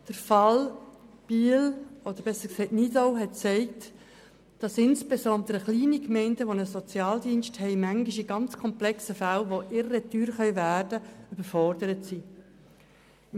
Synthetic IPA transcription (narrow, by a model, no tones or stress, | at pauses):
d̥əɾfɑl | b̥ilɔd̪əɾbɛsəksɛɪtnidoʊɦɛt̚t͡sɛɪkt | d̥ɑsɪnsb̥esɔnd̪əɾəχliːnikmɛɪndəʋonəsɔt͡sjɑːldiːnʃthɛɪmæŋɡɪʃiɡɑnt͡skʰɔmplɛksəfælʋoʔɪɾəɾətyːɾχœʏvæːɾd̥əyb̥əɾfɔɾdəɾətsi